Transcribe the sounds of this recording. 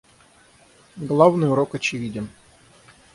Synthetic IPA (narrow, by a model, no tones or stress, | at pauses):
ɡlˠavnɨjʊɾokɐt͡ɕɪvʲidʲɪm